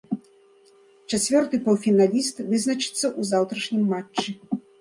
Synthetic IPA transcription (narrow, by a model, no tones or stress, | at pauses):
t͡ʂat͡sʲvʲɔrt̪ɨpɔwfʲinalʲist̪vɨznɐt͡ʂɨ̥t̪sːɐʔuzawt̪ɾɐʂnʲimːat͡ʂːɨ